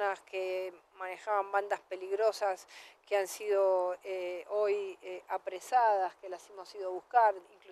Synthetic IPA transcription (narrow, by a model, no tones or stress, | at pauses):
naskemane̞xaβamband̪aspeliɣɾo̞saskeansið̞o̞eojeapɾesað̞askelasemo̞siðoβuskaɾiŋklu